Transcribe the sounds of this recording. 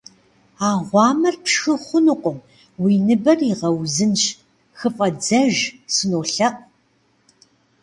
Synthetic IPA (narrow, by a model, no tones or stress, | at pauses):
aːʁʷɑːmɐrpxɨχʷʊnɨqʷʊm | wiːnɨbɐriʁɐwzɨnɕ | xɨfʼɐd͡zɐʒsɨnoːɬɐq̚